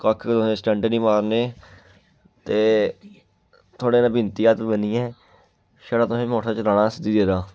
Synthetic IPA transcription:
kəkʰt̪ʊsẽːsʈɛ̃ːɳʈənĩːmaːɾneː | t̪eː | t̪ʰoːɽeːnãːbɪnt̪iːaːt̪bənijã | ʃəːɽaːt̪ʊsẽːmoːʈʰãːt͡ʃɾaːɽãːsd̪iːd̪eːɾaː

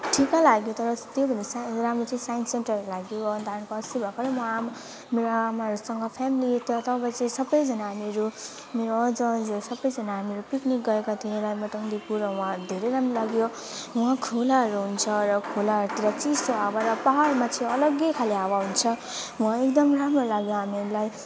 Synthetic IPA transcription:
ʈʰikalaɡjot̪ʌɾʌt̪jobʱʌnd̪esaɾamɾot͡sʌĩsajnsenʈʌrlaɡjoʌnd̪ʱankoʌsibʱakoɾʌmwaam | meɾoamaɦʌɾusʌŋɡʌpʰamilit̪ʌt̪ʌpat͡sʌĩsʌbʌjd͡zʌnaɦameɾu | meɾoʌd͡zʌd͡zsʌbʌjd͡zʌnaɦameɾupiknik̚ɡʌekat̪ʰiẽlajmʌʈʌŋd̪ipuɾʌw̃ãd̪ʱeɾʌjɾamrolaɡjo | w̃ãkʰulaɦʌɾuɦunt͡sʰʌɾʌkʰolaɦʌɾut̪iɾat͡sisoawaɾʌpaɦaɾmat͡sʰĩʌlʌɡjʌkʰaliawaɦunt͡sʰʌ | waek̚d̪ʌmramrolaɡjoɦamiɾulaj

